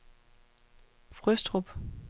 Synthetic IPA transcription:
fʁœsd̥ʁub̥

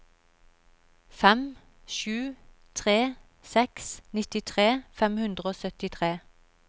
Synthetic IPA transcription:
fɛm | ʃʉː | t̪ʰʁeː | sɛksnɪt̪ɪt̪ʰʁeːfɛmhʉnd̪ʁəoːsœt̪ɪt̪ʰʁeː

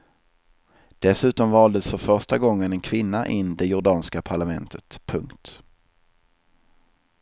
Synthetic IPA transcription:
d̪̥ɛsʉ̟ːt̪ɔmvɑːld̪əsfœɾfœʂʈaɡɔŋːənɛnkʰvɪnːaʔɪnːd̪ɛjʊɖɑːnskapʰaɭamɛnt̪ʰət̪pʰɵŋkt̪

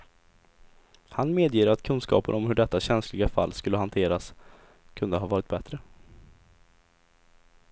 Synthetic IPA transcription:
hanmeːd̪jiːɾat̪kʰɵnskɑ̰ːpənɔmhɵɖɛt̪ːaɕɛnslɪɡafa̰lːskɵlːəɦant̪ʰeːɾas | kʰɵnd̪əɦɑːvɑːɾɪt̪̚bɛt̪ɾə

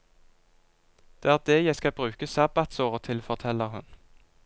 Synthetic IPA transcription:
d̪̥eːæːʁd̪eːjæɪskɑbʁʉːkəsɑbɑt̪soːʁət̪ʰɪlfɔʁt̪ʰɛləʁhʉn

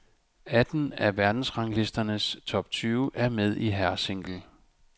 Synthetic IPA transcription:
æd̥n̩æʋæɐd̥n̩sʁɑ̈ŋle̝sd̥ɐnəst͡sʰɒ̽b̥̚t͡sʰyːʊʔæɐmeð̞̰ˠiɦæɐ̰se̝ŋ̰ɡ̥l̩

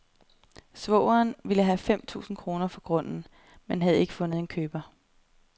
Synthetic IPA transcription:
sʋɔ̰ʊɐːnʋiləɦæfem̰t͡sʰṵːsn̩kʰʁo̝ːnɐfɒ̽ɡ̥ʁɔ̽n̰n̩ | menɦæð̞̩ˠe̝ɡ̥ə̥fɔ̽nð̩ˠe̝nkʰøːb̥ɐ

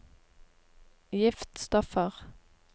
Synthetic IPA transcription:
jɪft̪st̪ɔfəʁ

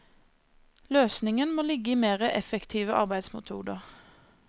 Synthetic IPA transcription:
løːsnɪŋənmoːlɪɡəiːmeːʁəʔɛfɛkt̪ʰiːʋəʔɑ̰ʁbæɪd̪smʊ̰t̪ʰṵːd̪əʁ

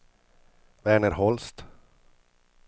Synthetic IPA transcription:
væːɳəɾɦɔlst̪

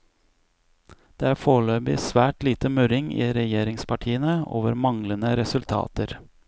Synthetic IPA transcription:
d̪̥eːæːɾfoːɭøːbɪsʋæːʈliːt̪əmʉɾɪŋḭːɾɛjeːɾɪŋspʰɑʈʰiːənəo̰ːʋəɾmɑŋlənəɾɛsʉlt̪ʰɑ̰ːt̪əɾ

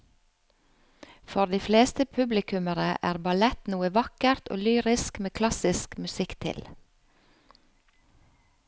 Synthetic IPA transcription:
fɔɾd̪iːfleːst̪əpʰʉblɪkʉməɾəʔæ̰ːɾbɑlɛt̪nuːəʋɑkəɾt̪ʰʔo̰ːlyːɾɪskmeːkʰlɑsɪskmʉsɪkt̪ʰɪ̰l

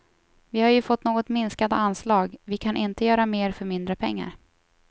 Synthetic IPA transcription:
vɪhaɾjɵfɔt̪ːnoːɡɔt̪mɪnskand̪ə̰anːslɑːɡvɪkʰanʔɪnt̪əjœːɾameːɾfœɾmɪnd̪ɾəpʰɛ̰ŋːa̰ɾ

